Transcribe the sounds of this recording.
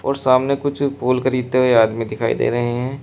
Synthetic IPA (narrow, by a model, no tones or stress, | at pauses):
ɔːɾsaːmnekʊt͡ʃʰpoːlkəɾiːd̪̚t̪eɦoeaːd̪mĩd̪ɪkʰaːḭd̪ḛːɾɐɦeɦɛ̃ː